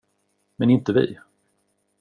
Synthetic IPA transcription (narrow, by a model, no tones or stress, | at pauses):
mɛnɪnt̪əvɪ̰ː